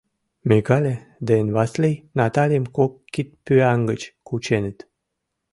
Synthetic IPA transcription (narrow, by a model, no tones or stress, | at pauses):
meɡɑlʲe | d̪eenβɑslejnɑt̪ɑlʲijəmkokːit̪̚pyɑŋɡət͡ɕkut͡ɕenə̆t̪